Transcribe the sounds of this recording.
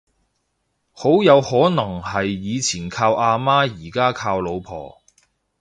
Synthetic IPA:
ho˨˥wjɐ˨˧whɔː˨˥nɐ˨˩ŋhɐ˨jːiː˨˧t͡sʰiː˨˩nkʰaː˧wʔaː˧maː˥jiː˨˩kaː˥kʰaː˧wlo˨˧wpʰɔ̰ː˨˩

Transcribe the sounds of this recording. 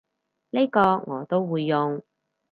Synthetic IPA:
le˥kɔː˧ŋɔː˨˦t̪o˥wwuː˨˧jːʊ˨ŋ

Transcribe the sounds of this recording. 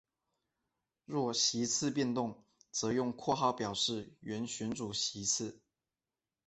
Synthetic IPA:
ɻwɔ˥˩ɕi˧˥t͡sʰɹ̩˥˧pjɛ˥˧nt̪ʊ˥˩ŋ | t͡sɤ˧˥jʊ˥˧ŋkʰwɔ˥˧xɑ˥˩ʊpjɑ˨˩ʊʂɻ̩˥˩ɥɛ˧˥nɕɥɛ˧˥nt͡su˨˩ɕi˧˥t͡s̩ʰ˥˩

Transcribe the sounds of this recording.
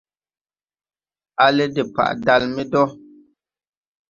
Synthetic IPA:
a˨lɛ˦di˨pa̰˨ʔda˨lmi˦dɔ˦

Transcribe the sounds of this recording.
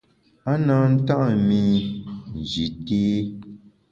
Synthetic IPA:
a˦naː˦n̩˦ta˦ʔmĩ˦n̩˨d͡ʒi˨teː˦

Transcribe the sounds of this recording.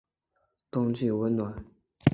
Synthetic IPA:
t̪ʊ˥ŋt͡ɕy˥˩wə˧˥nnːwa˨˩˦n

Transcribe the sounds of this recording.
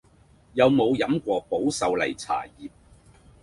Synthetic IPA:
jɐ˨˧wmo˨˧wjɐ˨˥mkʷɔː˧po˨˥wsɐ˨wlɐ̰˨˩jt͡sʰa̰ː˨˩jiː˨p̚

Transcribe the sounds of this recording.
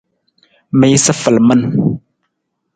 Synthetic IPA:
mi˦sə˦fə˨lmə˦n

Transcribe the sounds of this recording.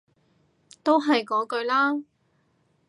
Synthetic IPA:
t̪o˥wɦɐ˨jkɔː˨˥kɵ˧ɥlaː˥

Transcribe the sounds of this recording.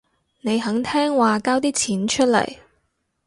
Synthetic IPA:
ne˨˧jɦɐ˨˥ŋt̪ʰɛː˥ŋwaː˨kaː˥wt̪iː˥t͡sʰiː˨˥nt͡ʃʰɵ˥t̚lɐ̰˨˩j

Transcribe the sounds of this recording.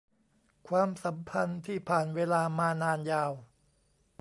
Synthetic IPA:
kʰwaː˧msa˩˦mpʰa˧nt̪ʰiː˥˩pʰaː˨˩nweː˧laː˧maː˧naː˧njaː˧w

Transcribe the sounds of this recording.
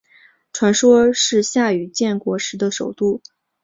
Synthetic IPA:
ʈ͡ʂʰwa˧˥nʂwɔ˥ʂɻ̩˥˧ɕja˥˩y˨˩t͡ɕjɛ˥˩nkwɔ˧˥ʂɻ̩˧˥d̪ə˧ʂo˨˩ʊt̪u˥˩

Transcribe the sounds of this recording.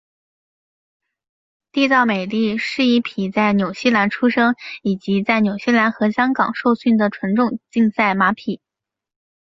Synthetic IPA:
t̪i˥˧t͡sɑ˥˩ʊme˨˩ɪt̪i˥˩ʂɻ̩˥˧i˥˩pʰi˨˩t͡sa˥˩ɪnjo˨˩ʊɕi˥˩la˧˥nʈ͡ʂʰu˥ʂɤ˥ŋi˨˩t͡ɕi˧˥t͡sa˥˩ɪnjo˨˩ʊɕjɛ˥˩la˧˥nxɤ˧˥ɕjɑ˥ŋkɑ˨˩ŋʂo˥˧ʊɕy˥˩nd̪ə˩ʈ͡ʂʰwə˧˥nʈ͡ʂʊ˥˧ŋt͡ɕi˥˧ŋsa˥˩ɪma˧˥pʰi˨˩˦

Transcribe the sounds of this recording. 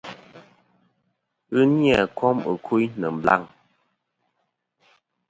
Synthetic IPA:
ɨ˦nja˨kʰɔ˦mə˨kʰu˦jnə˨m̩˨bla̰˦˨ŋ

